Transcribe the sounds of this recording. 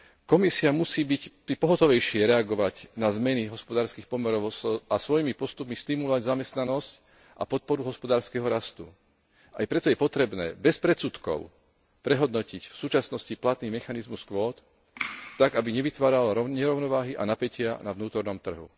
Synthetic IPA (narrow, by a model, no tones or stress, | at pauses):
kɔmisiamusiːbictipɔɦɔt̪ɔʋɛjʃɪɛɾɛaɡɔʋaɟnazmɛniɦɔspɔd̪aːɾskiːxpɔmɛɾɔʊsasʋɔjimipɔst̪upmist̪imulɔʋaɟzamɛst̪nanɔsc | ʔa̰pɔt̪̚pɔɾuɦɔspɔd̪aːɾskɛɦɔɾast̪ṵ | a̰jpɾɛt̪ɔjɛpɔt̪ɾɛbnɛ̰ːbɛspɾɛt̪sut̪kɔ̰ʊ | pɾɛɦɔd̪nɔcicfsuːt͡ʃasnɔsciplat̪niːmɛxanizmuskʋɔːt̪ː | aɡabiɲɛʋit̪ʋaːɾalaɾɔɲɛɾɔʊnɔʋaːɦiʔa̰napɛcɪanaʋnuːt̪ɔɾnɔmt̪r̩ɦṵ